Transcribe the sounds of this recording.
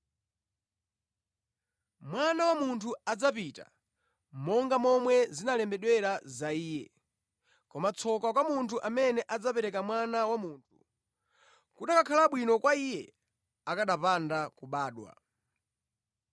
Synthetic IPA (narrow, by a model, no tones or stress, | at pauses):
mwanawamuntʰuad͡zapita̰ | mɔŋɡamɔmwɛzinalɛmbɛɗwɛɾazaiːjɛ | kɔmat͡sʰɔkak̬wamuntʰuʔamɛnɛʔad͡zapɛɾɛkamwanawamuːntʰu | kuɗakakʰalaɓwinɔkwaijɛ | akaɗapandakuɓaːɗwa̰